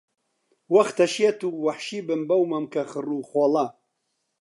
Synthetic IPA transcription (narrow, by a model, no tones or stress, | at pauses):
wɐxt̪ɐʃjet̪uwɐħʃiːbɨmbɐwmɐmkɐxɨruːxoːla